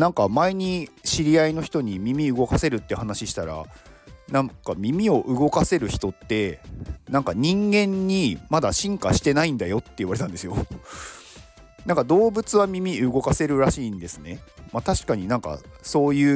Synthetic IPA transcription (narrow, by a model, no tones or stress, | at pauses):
nãŋkamaeɲ̟iɕiɾʲiaino̞çi̥t̪o̞ɲ̟imʲimʲiɯ̟ɡo̞kase̞ɾɯ̟t̪ːe̟hanaɕiɕi̥t̪aɾa̰nãŋkamʲimʲio̞ʔɯ̟ɡo̞kase̞ɾɯ̟çi̥t̪o̞t̪ːe̞nãŋkaɲ̟ĩŋɡẽ̞ɲ̟ːimad̪aɕĩŋkaɕi̥t̪e̞naĩnd̪ajo̞t̪ːeiɯβaɾe̞t̪ãnd̪e̞sɨjo̞ | nãŋkad̪o̞ːbɯ̟t͡sɨβamʲimʲiɯ̟ɡo̞kase̞ɾɯ̟ɾaɕiːnd̪e̞sɨne̞mat̪aɕi̥kaɲ̟inãŋka̰so̞ːjɯ̟ː